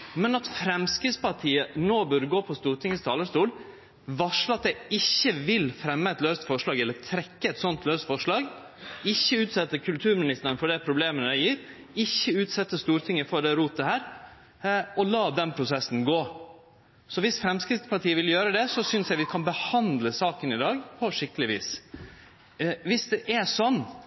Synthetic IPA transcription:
mɛnɑt̪fɾɛmskɾɪt̪spɑʈ̪ʰiːənoːbœɾɡoːpʰɔst̪uːɾt̪ɪŋːəst̪ʰɑːləʂt̪uːl | ʋɑʂləɑt̪̚d̪ɛɪçːəʋɪlfɾɛmːəɛt̪løːst̪fɔʂɭɑːɡɛlːəɾt̪ʰɾɛkːəɛt̪sɔnt̪løːst̪fɔʂɭɑːɡ | ɪçːəʉːt̪sɛt̪ːəkʰʉlt̪ʰʉːɾmɪnɪst̪əɾənfɔɖ̪ɛpʰɾʊbleːmənæjiːɾ | ɪçːəʉːt̪sɛt̪ːəst̪uːɾt̪ʰɪŋːəfɔɖ̪ɛɾuːt̪ːəhæːɾ | ɔlɑːd̪ɛnpʰɾʊsɛsːn̩ɡoː | sɔʋɪsfɾɛmskɾɪft̪spɑʈʰiːəʋɪljøːɾəd̪ɛsɔsʏnsjæɪʋɪkʰɑnbəhɑnd̪ləsɑːkənɪd̪ɑːɡpʰɔʂɪkːəlɪʋḭːs | ʋɪsd̪ɛʔɛʂɔnː

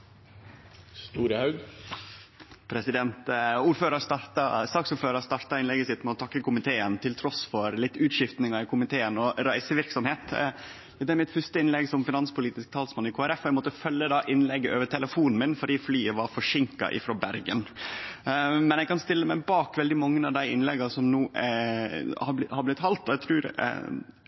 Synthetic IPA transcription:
st̪uːɾəhɑʉɡ | pʰɾɛsɪd̪ɛnt̪uːɾføːɾəɾst̪ɑɾt̪ɑ̰st̪ɑksuːɾføːɾəst̪ɑɾt̪ɑɪnlɛɡəsɪt̪mɛɔt̪ʰɑkːəkʰʊmɪt̪ʰeːənt̪ʰɪlt̪ʰɾɔsfɔɾlɪt̪ːʉːt̪ʃɪft̪nɪŋɑɪkʰʊmɪt̪ʰeːənɔɾæɪsəʋɪɾksɔmheːt̪ | d̪ɛd̪ɛæɾmɪt̪fʉst̪əɪnlɛɡsɔmfɪnɑnspʊliːt̪ɪsk̚t̪ʰɑːlsmɑnɪkʰoːæɾɛfːɔɛɡmɔt̪ːəfœlːəd̪ɑːʔɪnlɛɡːəʔøːʋət̪ʰɛləfuːnn̩mɪnfɔɖiːflyːəʋɑɾfɔʂɪŋkɑ̰ʔɪ̰fɾoːbæɾɡən | mɛnjɛɡkɑnst̪ɪlːəmæɪbɑːkʋɛld̪ɪmɑŋːənɑʋd̪æɪɪnlɛɡɑsɔmnuː | hɑbhɑɾblɪt̪hɑlt̪ɔɛɡt̪ʰɾʉːɾ̰

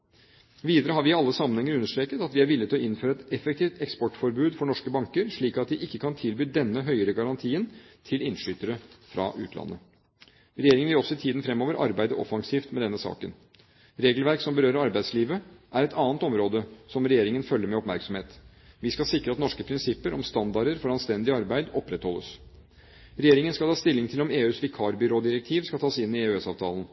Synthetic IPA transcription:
ʋiːd̪əɾəɦɑɾʋɪɪɑlːəsɑmːənɛŋːəɾʉnːəʂt̪ɾeːkət̪ɑt̪ʋɪæɾʋɪlːɪt̪ɪlɔɪnføːɾəɛt̪ɛfɛk̚t̪ʰiːft̪ɛkspɔʈfɔɾbʉːd̪fɔɳɔʂkəbɑŋkəɾʂɭiːkɑt̪̚d̪ɪʔɪkːəkʰɑnt̪ʰɪlbyːd̪ɛnːəɦœʏəɾəɡɑɾɑnt̪ʰiːənt̪ʰɪlɪnʂyːt̪əɾəfɾɑ̰ʔʉ̰ːt̪lɑ̰nːə̰ | ɾɛjeːɾɪŋənʋɪlɔsːɔɪt̪ʰiːd̪ən̩fɾɛmːoːʋəɾʔɑ̰ɾbæɪd̪əʔɔ̰fɑŋsiːft̪mɛd̪ɛnːəsɑ̰ːkə̰n | ɾeːɡəlʋæɾksɔmbəɾøːɾəɾɑɾbæɪd̪sliːʋəʔæɾɛt̪ʰɑːnt̪ɔmɾoːd̪əsɔmɾɛjeːɾɪŋənfœlːəɾmɛɔpmæɾksɔmheːt̪ | ʋɪskɑsɪkɾəɑt̪nɔʂkəpʰɾɪnsɪpːəɾʔɔmst̪ɑnd̪ɑɾəɾfɔɾɑnst̪ɛnd̪ɪɑɾbæɪd̪ɔpːɾɛt̪hɔlːə̰s | ɾɛjeːɾɪŋənskɑlʰɑːst̪ɪlːɪŋt̪ʰɪlɔmeːʉːsʋɪkʰɑːɾbɪɾoːd̪ɪɾɛk̚t̪ʰiːʋskɑlt̪ʰɑːsɪnːɪeʉɛsɑːʋt̪ʰɑːlən̩

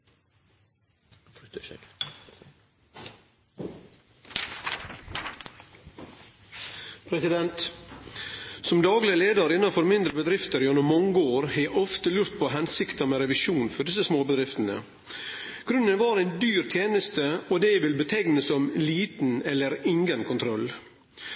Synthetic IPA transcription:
pʰɾɛsɪd̪ɛnt̪ | sɔmd̪ɑːɡlɪəleːd̪ɑɾɪnːɑfɔɾmɪnd̪ɾəbəd̪ɾɪft̪əɾjɔnɔmmɔŋəoːɾhɛʔɔft̪əlʉɾt̪̚pʰoːɦɛnsɪkt̪əmɛɾɛʋɪʃuːnfɔɖɪs̬əsmoːbəd̪ɾɪft̪ənə̰ | ɡ̥ɾʉnːənʋɑɾæɪnd̪yːɾt̪ʰjeːnəst̪əɔd̪ɛʋɪlbət̪ʰɛɡnəsɔmliːt̪n̩ɛlːəɾɪŋɡənkʰʊnt̪ʰɾɔl

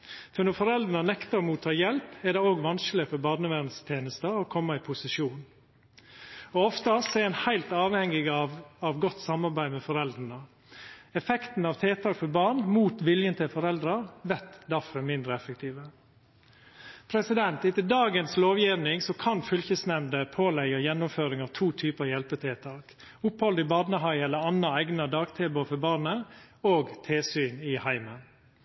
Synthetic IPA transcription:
fɔɾnɔɾfɔɾɛld̪ənənɛkt̪əɾmuːt̪ʰːɑːjɛlpɛɾd̪ɛoːɡʋɑnsklɪfɔɾbɑɾnəʋæːɾənst̪ʰeːnəst̪əɔkʰɔmːəɪpʰʊsɪʂuːn | ɔɔft̪əsɔɛɪnhæɪlt̪ɑːʋhɛŋːɪɡɑɑʋɡɔt̪ːsɑmɑɾbæɪmɛfɔɾɛld̪ɾənə | ɛfɛkt̪n̩ɑʋt̪ʰeːt̪ʰɑːkfɔɾbɑɾɳmuːt̪ʋɪljənt̪ʰɪlfɔɾɛld̪ɾɑɾʋɛt̪d̪æɾfɔmɪnd̪ɾəɛfək̚t̪ʰiːʋə | pʰɾɛsɪd̪ɛnt̪ɪt̪ːəd̪ɑːɡənsloːʋjiʋnɪŋsɔkʰɑnfʏlçəsnɛmd̪əpʰoːlɛɡɑjɛnːʊmføːɾɪŋɑʋt̪ʰuːt̪ʰyːpəɑjɛlpət̪ʰeːt̪ʰɑːk | ʊphɔld̪əɪbɑd̪nəɦɑɪɛlːəɾɑnːɑæɡnɑd̪ɑːɡt̪ʰeːbʊfɔbɑːɾnəoːɡt̪ʰeːsyːnɪhæɪmən

